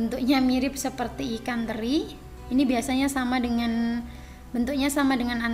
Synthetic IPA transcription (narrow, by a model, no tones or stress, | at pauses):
ənt̪uk̚ɲamiɾɪp̚səpərt̪iːkand̪əɾi | inibiasaɲasamadəŋan | bənt̪uk̚ɲasamadəŋanan